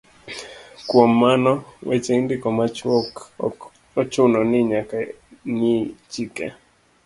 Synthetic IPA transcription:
kwɔmːanɔwet͡ʃendɪkɔmat͡ʃɔk | ɔt͡ʃʊnɔnɪɲaka | ɲit͡ʃikɛ̰

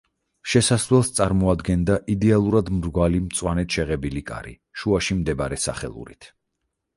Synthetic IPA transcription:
ʃɛsaslɛlˠst̪sʼaɾmɔad̪ɡɛnd̪aʔid̪ɛalˠuɾad̪mɾɡwalimt̪sʼwanɛt̪ʃɛʁɛbilikʼa̰ɾḭ | ʃuaʃimd̪ɛbaɾɛsa̰χɛ̰lˠṵɾḭt̪ʰ

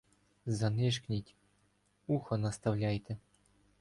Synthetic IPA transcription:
zɑ̆nʲeʂknʲitʲ | uxɤ̆nɑst̪ɑvlʲajt̪ʲɘ̆

